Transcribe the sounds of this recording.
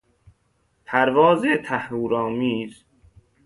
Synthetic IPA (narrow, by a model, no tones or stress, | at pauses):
pʰæɾvɒːzet̪ʰæhɾuːɾɒːmiːz